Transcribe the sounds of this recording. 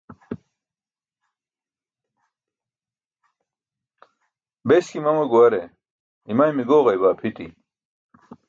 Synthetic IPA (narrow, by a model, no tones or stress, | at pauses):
beskimɐmɐɡuɐɾe | imajmiɡoːʁɐjbaːpʰit̪ḭ